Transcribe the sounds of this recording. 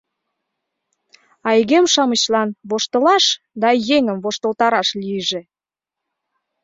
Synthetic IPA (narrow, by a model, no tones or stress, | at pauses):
ɑiɣemʃɑmət͡ɕlɑnβoʃt̪ə̆lɑʃ | d̪ɑjeŋəmβoʃt̪əlt̪ɑɾɑʃliʒĕ